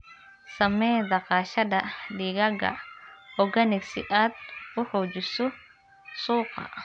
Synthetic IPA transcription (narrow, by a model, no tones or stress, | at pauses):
sɐmɛːd̪ɑqɑːʃɐdɐɖiːɡɐɡɐ̰hɔɡɐnɪksɪʔaːd̪ʊħɔːt͡ʃɪsɔ | suːqɑ̰